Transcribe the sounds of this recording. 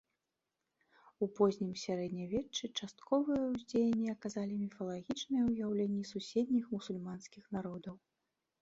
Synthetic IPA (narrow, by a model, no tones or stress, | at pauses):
upɔzʲnʲimsʲaɾɛd̪nʲɐvʲɛt͡ʂːɨt͡ʂast̪kɔvɨjɐwzʲd͡zʲejɐnʲːiɐkazalʲimʲifɐlˠaɣʲit͡ʂnɨjɛwujawlʲenʲːisusʲed̪̚ʲnʲixmusulʲmanskʲixnaɾɔd̪ɐw